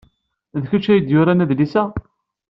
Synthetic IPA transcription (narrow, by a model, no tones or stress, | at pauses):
ðçət͡ʃːæjəd̪jʊɾænæðlisæ